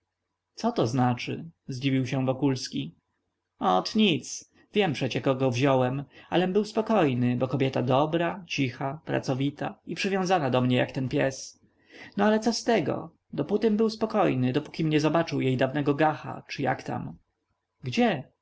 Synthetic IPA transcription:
sɔt̪ɔznat͡ʂɘ̰zd͡ʑivʲiwɕɛ̃vɔkulskʲi | ɔt̪ɲit̪s | vʲjɛmpʂɛt͡ɕɛkɔɡɔvʑɔwɛma̰lɛmbɘwspɔkɔjnɘbɔkɔbʲjɛt̪ad̪ɔbɾat͡ɕixapɾa̰t̪sɔvʲit̪aipʂɘvʲjɔ̃w̃zanad̪ɔmɲɛja̰kt̪ɛnpʲjɛs | nɔalɛt̪sɔst̪ɛɡɔ̰ | d̪ɔput̪ɘmbɘwspɔkɔjnɘd̪ɔpu̥kʲimɲɛzɔbat͡ʂɘwjejd̪avnɛɡɔɡaxa̰t͡ʂɨja̰kt̪a̰m | ɡd͡ʑɛ

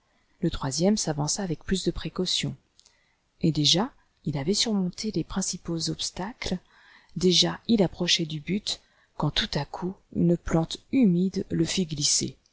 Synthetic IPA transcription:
lət̪χwazjɛmsavɑ̃saːvɛk̚plysd̪əpχekɔsjɔ̃ | ed̪eʒa | ilavɛsyʁmɔ̃t̪elepχɛ̃sipozɔpst̪akl | d̪eʒailapχɔʃɛd̪ybyt̪ | kɑ̃t̪ut̪akʰuy̰nplɑ̃t̪ymid̪ləfiɡlisḛ

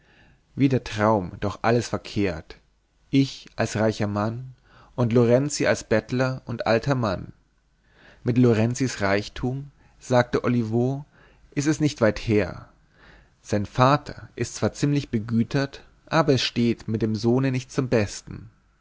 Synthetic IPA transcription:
viːdɛːɐtʁ̥aʊmd̥ɔχʔaləsfɛɐkʰeːɐt | ʔɪçʔalsʁaɪçɐman | ʔʊntloʁɛnt͡sia̰lsb̥ɛtlɐʔʊntʔa̰ltʰɐman | mɪtloʁɛnt͡sisʁaɪçtʰuːm | z̥aːk̚təʔɔlivo | ʔɪstɛsnɪçtv̥aɪtheːɐ | z̥aɪnfaːtʰɐ̰ʔɪstt͡sv̥aːɐt͡siːmlɪçb̥əɡyːtʰɐt | ʔaːbɐɛsʃteːtmɪt̚d̥eːmzoːnənɪçt̚t͡sʊmbɛstn̩

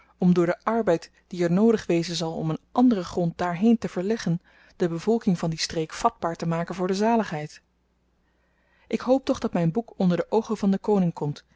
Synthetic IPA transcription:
ɔmdʊːɹdəʔɑɹbɛjt | d̥iɛɹnoːwdəχʋejzənzɑlˠɔ̰mənʔɑndərəχrɔnt̚daːɹɦejntəv̥əɹlɛχən | d̥əbəvɔlˠkɪŋvɑndistrejkfɑd̚baːɹtəmaːkənvʊːɹdəzaːləχɦɛjt | ʔɪkɦowp̚tɔχdɑtmɛjnbukɔndəɹdəʔowχənvɑndəkownɪŋkɔmt

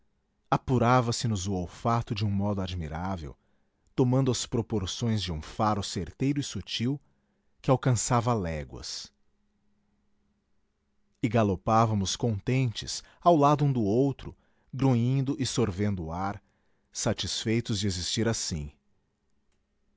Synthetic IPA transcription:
apuɾavɐsɪnʊzʊowfat̪ʊd͡ʒɪũmɔd̪ʊad͡ʒmiɾavḛw | t̪omɐ̃nd̪ʊɐspɾopoɾsõj̃zd͡ʒɪũfaɾʊseɾt̪ejɾʊɪsut͡ʃiw | kɪawkɐ̃savɐlɛɡwɐ̰s | ɪɡalopavɐmʊskõnt̪ẽnt͡ʃɪ̰s | awlad̪ʊũd̪ʊowt̪ɾʊ | ɡɾuĩnd̪ʊʔɪsoɾvẽnd̪ʊːaɾ | sat͡ʃisfejt̪ʊzd͡ʒɪezist͡ʃiɾasḭ̃

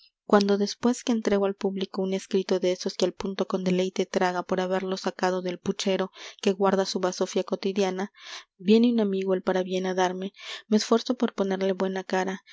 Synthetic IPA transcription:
kwand̪o̞ðe̞spwe̞skeːnt̪ɾe̞ɣo̞alpuβliko̞une̞skɾit̪o̞ðeeso̞skealpunt̪o̞ko̞nd̪e̞le̞jt̪e̞t̪ɾaɣapo̞ɾaβe̞ɾlo̞sakað̞o̞ðe̞lput͡ʃe̞ɾo̞ke̞ɣwaɾðasuβaso̞fjako̞t̪iðjanabje̞neunamiɣoelpaɾaβje̞naðaɾme̞me̞ːsfwe̞ɾsopo̞ɾpo̞ne̞ɾle̞βwe̞nakaɾa

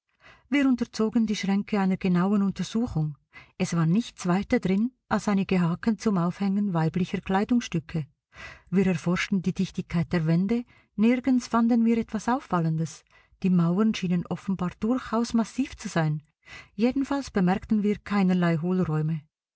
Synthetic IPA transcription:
viːɐɾʊntət͡soːɡəndiːʃʁ̥ɛŋkʰəaɪnəɾɡ̥ənaʊənʊntəʁz̥uːxʊŋ | ʔɛsv̥aːʁnɪçt͡sv̥aɪtɐdʁɪnʔalsaɪnɪɡ̥əɦaːkənt͡sʊmaʊfhɛŋənvaɪblɪçəkl̥aɪdʊŋsʃtʏkʰə | viːɾɛɐfɔʁʃtn̩diːdɪçtɪçkʰaɪt̚d̥eːɐvɛndə | nɪɾɡənsfandənviːɐɾɛtv̥asaʊfːaləndəs | d̥iːmaʊɐnʃiːnənʔɔfən̩baːɐd̥ʊɾçaʊsmasiːft͡suz̥aɪn | jeːdn̩falsb̥əmɛɐktn̩viːkʰaɪnəlaɪɦoːlʁɔʏmə

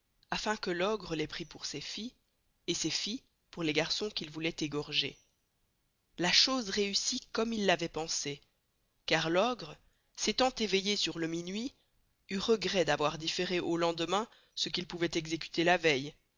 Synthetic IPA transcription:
afɛ̃kəlɔɡʁəlɛpχipuʁsefi | esefi | puʁleɡaʁsɔ̃kʲilvulɛt̪eɡɔʁʒḛ | laʃozʁeysikɔmilːavɛpɑ̃se | kaʁlɔɡʁə | set̪ɑ̃t̪evejesyʁləminɥi | yʁəɡʁɛd̪avwaʁd̪ifeʁeʔolɑ̃d̪mɛ̃ | səkilpuvɛt̪ɛɡzekʲy̥t̪elavɛj

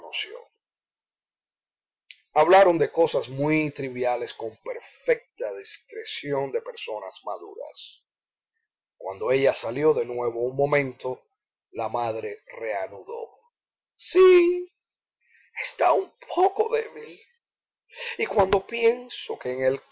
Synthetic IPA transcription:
nosjo̰ | aβlaɾo̞nd̪e̞ko̞sasmwit̪ɾiβjale̞sko̞mpe̞ɾfe̞k̚t̪aðiskɾe̞sjo̞nd̪e̞pe̞ɾso̞nasmaðṵɾa̰s | kwand̪o̞e̞ʝasaljo̞ðe̞nwe̞βo̞uŋmõ̞mẽ̞nt̪o̞ | lamaðɾe̞re̞anuðo̞̰ | si | est̪aumpʰoko̞ðeβiil | ikwand̪o̞pje̞nso̞ke̞ːŋel

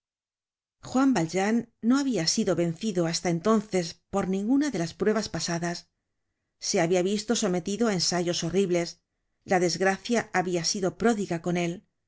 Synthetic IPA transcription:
xwambald͡ʒanːo̞aβiasiðo̞βe̞nθiðo̞ast̪ae̞nt̪o̞nθe̞spo̞ɾnĩŋɡunaðe̞laspɾwe̞β̞aspasaðasː | e̞aβiaβist̪o̞so̞me̞t̪iðoaensaʝo̞so̞riβle̞s | laðe̞zɣɾaθjaaβiasiðo̞pɾo̞ðiɣako̞ne̞l

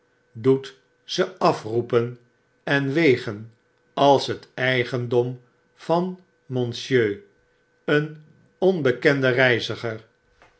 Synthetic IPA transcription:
dut | z̥əɑfrupən | ɛnʋejχən | ɑlˠsɦətɛjχəndɔm | v̥ɑn | mɔnsjøː | ən | ɔnbəkɛndərɛjzəχəɹ

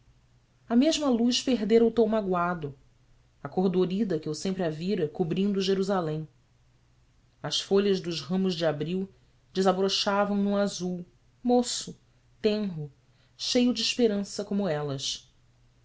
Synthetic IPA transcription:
ɐmeʒmɐluʃpeɦd̪eɾɐʊt̪õmaɡwad̪ʊ | akoɦd̪oɾid̪ɐkɪewsẽmpɾɪaviɾɐkubɾĩnd̪ʊʒeɾuzalẽj̃ | ɐsfoʎɐʒd̪ʊʃɦɐ̃mʊzd͡ʒɪabɾiw | d͡ʒɪzabɾoʃavɐ̃w̃nuazuw | mosʊ | t̪ẽɦʊ | ʃejʊd͡ʒɪiːʃpeɾɐ̃sɐkõmʊɛlɐʃ

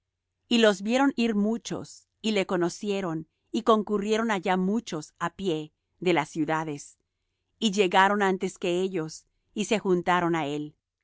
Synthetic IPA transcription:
ilo̞zbje̞ɾo̞niɾmut͡ʃo̞̰s | ile̞ko̞no̞sje̞ɾo̞n | iko̞ŋkurje̞ɾo̞naʝamut͡ʃo̞sapje̞ | ðe̞lasːjuðaðe̞s | iʝe̞ɣaɾo̞nant̪e̞ske̞eʝo̞s | ise̞xunt̪aɾo̞nae̞l

